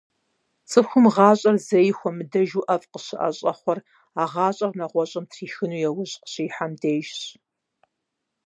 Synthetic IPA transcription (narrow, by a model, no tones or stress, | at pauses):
t͡sʼɨxʷʊmʁɑːɕʼɐrzɐjɪxʷɔmɨdɐʒuːʔɐvqəɕɪʔɐ̰ɕʼɐχʷɔr | aːʁɑːɕʼɐrnɐʁʷɔɕʼɐmtʰriːxɨnuːjɛwʊʑqə̥ɕiːħamdeːjʒɕ